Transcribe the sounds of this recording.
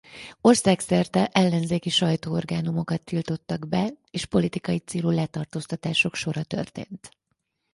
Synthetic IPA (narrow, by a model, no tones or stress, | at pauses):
o̞rsaːksɛrt̪ɛʔɛlːɛnzeːkiʃɒjt̪oːo̞rɡaːnumo̞kɒt̪ːilt̪o̞t̪ːɒɡbɛ | eːʃpo̞lit̪ikɒjit̪seːlulɛt̪ɒrt̪oːst̪ɒt̪aːʃo̞kʃo̞ɾɒt̪ø̞̰rt̪ḛːnt̪